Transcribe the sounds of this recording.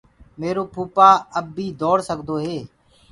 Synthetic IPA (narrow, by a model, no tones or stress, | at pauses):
meːɾoːpʰuːpaːəbːiːd̪ɔːɽsəɡd̪oːɦeː